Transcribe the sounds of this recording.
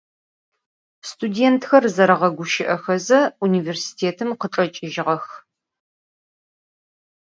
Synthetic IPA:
stʰudeːntʰxɐrzɐɾɐʁɐɡʷʊʃɪʔɐxɐzɐuniːversi̥tʰeːtʰɨmqəʈ͡ʂʼɐt͡ʃʼɪʒɪʁɐx

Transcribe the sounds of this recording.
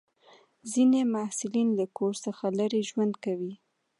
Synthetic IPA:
zinemasɪlinlakoɾsəxaləɾeʒwand̪kawi

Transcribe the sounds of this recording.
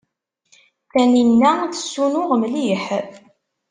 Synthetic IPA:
θæninːæθə̥sːunʊʁmliħ

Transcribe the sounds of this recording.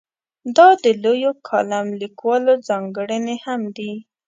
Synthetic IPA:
d̪ɑd̪əlojokʰɑlamlikwɑlozɑŋɡəɽənehamd̪i

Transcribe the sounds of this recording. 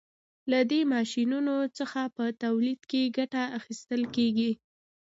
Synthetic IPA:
lad̪emɑʃinunot͡səxapət̪awlid̪keɡaʈaaxist̪əlkeɡi

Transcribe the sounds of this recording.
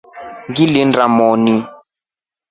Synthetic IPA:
ŋɡilɪndɾamɔni

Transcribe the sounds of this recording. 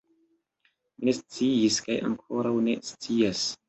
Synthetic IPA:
mine̞st͡siiskaja̰ŋkʰoɾawne̞̰st͡sias

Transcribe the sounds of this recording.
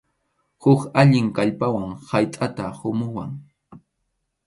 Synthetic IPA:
hʊkaʎɪŋkaʎpawaŋhajt̪ʼat̪ahʊmʊwaŋ

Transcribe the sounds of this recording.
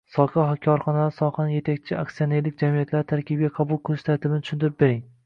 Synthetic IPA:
sɒqʰɑɦakʲʰɒɾχɒnalsɒqɑnje̞t̪ʰak̚ʲt͡ʃʰɪaksijone̞ɾlɪkʲd͡ʒamijat̪ʰlaɾt̪ʰaɾkʲɪbɡʲaqʰɑbʊlˠqʰɨlˠɪʃt̪ʰaɾt̪ʰɪbɪnɪt̪ʊ̥ʃʊnt̪ʰɪɾɪp̚be̞ɾɪŋ

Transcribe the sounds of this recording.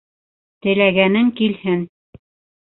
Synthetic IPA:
t̪ɘ̆læɡænɘŋkilhɘn

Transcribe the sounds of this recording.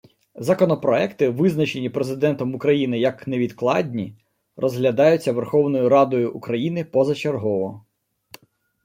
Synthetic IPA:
zɐkɔnɔpɾɔɛkt̪ɪʋɪznɐt͡ʃe̞nʲipɾezɪd̪ɛnt̪ɔmukɾɐjinɪjɐkneʋʲid̪klˠɑdʲnʲi | rʔɔzɦlʲɐd̪ɑjʊt͡sʲːɐʋerxɔwnɔjʊɾɑd̪ɔjʊʔːkɾɐjinɪpɔzɐt͡ʃerɦɔʋɔ

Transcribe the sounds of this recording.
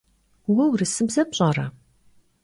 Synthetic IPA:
wɐwrɨsɨbzɐpɕʼɐrɐ̰

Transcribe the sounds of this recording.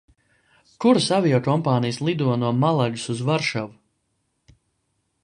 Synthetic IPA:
kuɾasavijɔkɔmpaːnijslˠid̪uɔnuɔmalˠaʎusuzvaɾʃavu

